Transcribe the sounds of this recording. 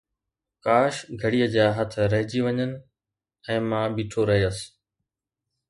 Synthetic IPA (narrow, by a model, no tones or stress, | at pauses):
kaːʃɡʱɐɽiːəd͡ʑaːɦɐt̪̆ʰɾɐɦɪd͡ʑiʋɐɲənɪ̆ | ɛ̃ːmãːbiːʈʰoɾɐɦeəs